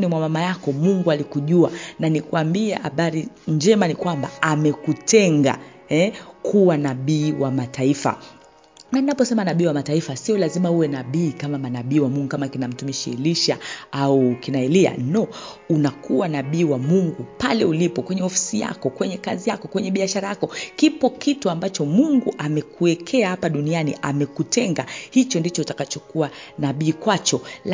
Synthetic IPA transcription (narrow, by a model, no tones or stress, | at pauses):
nimwamamajakɔmuŋɡualikuʄuananikuambiɛha̰ɓaɾiɲd͡ʒɛmanikwamba̰amɛkutʰɛŋɡa̰ | hɛkʰuwanaɓiːwamataifa̰ | naninapɔsɛmanaɓiːwamataifasiɔlazimauwɛnaɓiːkamamanaɓiːwamuŋɡukamakinam̩tumiʃḭliʃa̰aukinaɛlia̰nɔ | unakuwanaɓiːwamuŋɡupalɛulipɔkwɛɲɛɔfi̥sija̰kɔkwɛɲɛkazijakɔkwɛɲɛɓiaʃaɾajakɔkipɔkituambat͡ʃɔmuŋɡuʔamɛkuɛkʰɛahapaɗunianiʔamɛkutɛŋɡahit͡ʃɔndit͡ʃɔutakat͡ʃɔkuwanaɓiːkwat͡ʃɔ